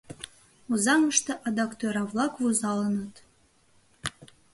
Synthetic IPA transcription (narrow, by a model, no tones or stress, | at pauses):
uzɑnəʃt̪ɤʔɑd̪ɑkt̪øɾɑvlˠɑkvuzɑlənət̪